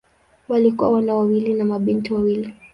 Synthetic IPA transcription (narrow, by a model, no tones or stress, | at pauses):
walikuawanawawilinamaɓintiwawili